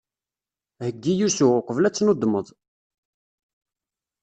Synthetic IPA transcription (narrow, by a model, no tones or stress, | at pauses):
həɡːijusuqəvlæt͡sːnod̪məðˤ